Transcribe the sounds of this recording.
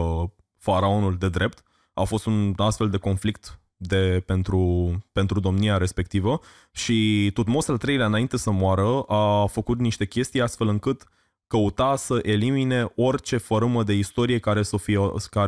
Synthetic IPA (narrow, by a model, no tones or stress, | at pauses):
faɾao̞nuld̪e̞d̪ɾe̞p̚t̪ | afo̞st̪unast̪fe̞ld̪e̞ko̞nflik̚t̪ | d̪e̞pe̞nt̪ɾupe̞nt̪ɾud̪o̞mniaɾe̞spe̞k̚t̪ivə | ʃit̪ot̪mo̞salt̪ɾe̞jlʲaɨnaint̪e̞səmwaɾəafəkut̪niʃt̪e̞kʲe̞st̪ijast̪fe̞lɨŋkɨt̪ | kəut̪asəʔe̞limine̞o̞rt͡ʃe̞fəɾɨməd̪e̞ist̪o̞ɾije̞kaɾesəfika